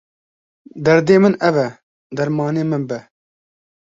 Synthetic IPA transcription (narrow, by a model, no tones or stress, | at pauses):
d̪ɛɾd̪eːmɨnɛvɛ | d̪ɐɾmɑːneːmɨnbɛ